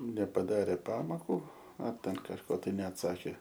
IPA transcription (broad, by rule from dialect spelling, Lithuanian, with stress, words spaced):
nʲɛpɐˈdɑːrʲeː ˈpɑːmoːkʊ ɐr ˈtʲɛn kɐʃˈkoː ˈtɐɪ nʲɛɐtˈsɑːkʲeː